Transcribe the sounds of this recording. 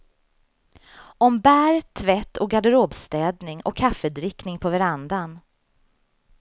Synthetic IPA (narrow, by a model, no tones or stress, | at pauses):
ɔmbæːɾt̪ʰːvɛt̪ːɔɡad̪əɾoːbst̪ɛːd̪nɪŋɔ̰kʰːafːəd̪ɾɪknɪŋpʰɔvæɾand̪an